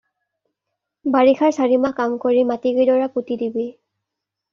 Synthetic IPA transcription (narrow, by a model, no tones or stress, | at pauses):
baɹixʰaɹsaɹimakamkoɹimatiɡidɔɹaputidibi